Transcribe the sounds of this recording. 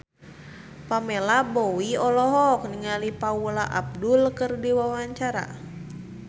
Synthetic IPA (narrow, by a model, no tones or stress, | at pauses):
pamelabowiɔlɔɦɔk̚niŋalipaulaʔa̰b̚dʊlkɨrdiwawaɲt͡ʃaɾa̰